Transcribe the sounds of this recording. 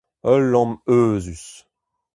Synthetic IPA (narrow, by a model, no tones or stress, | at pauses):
œlːɔ̃møːzys